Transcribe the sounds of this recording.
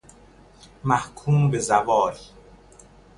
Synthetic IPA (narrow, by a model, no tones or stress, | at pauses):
mæhkʰuːmbezævɒːɾi